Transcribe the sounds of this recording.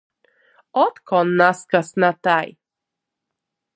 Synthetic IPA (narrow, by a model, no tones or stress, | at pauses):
ɔt̪kɔnːaskasnat̪aj